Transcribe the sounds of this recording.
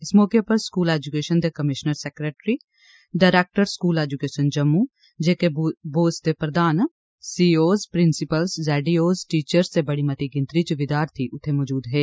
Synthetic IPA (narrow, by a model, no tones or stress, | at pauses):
ɪsmɔːkepɐɾskuːlɛːd͡ʒukeːʃənd̪ekɐmɪʃnəɾsɛːkɾeːʈɾi | ɖaːɾeːk̚ʈəɾskuːlɛːd͡ʒukeːʃənd͡ʒɐmːu | d͡ʒeːkeboːst̪epɾɐd̪aːn | siːoːzpɾɪ̃nsɪpəlsd͡ʒɛːɖioːzʈiːt͡ʃəɾsebɐɽimɐt̪iɡɪ̃nt̪ɾit͡ʃʋɪd̪aːɾt̪ʰiʔʊt̪ʰːemɔːd͡ʒuːd̪ɦeː